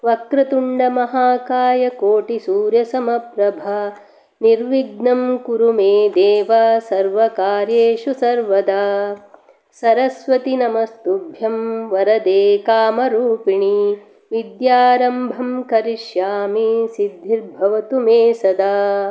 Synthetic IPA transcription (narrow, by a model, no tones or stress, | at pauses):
ʋɐkɾɐt̪uɳɖɐmɐɦaːkaːjɐkoːʈisuːɾjɐsɐmɐpɾɐbʱaː | niɾʋiɡnɐmkuɾumeːd̪eːʋɐsɐɾʋɐkaːɾjeːʃusɐɾʋɐd̪aː | sɐɾɐsʋɐt̪inɐmɐst̪ubʱjɐmʋɐɾɐd̪eːkaːmɐɾuːpiɳi | ʋid̪jaːɾɐmbʱɐmkɐɾiʃjaːmisid̪ʱːiɾbʱɐʋɐt̪umeːsɐd̪aː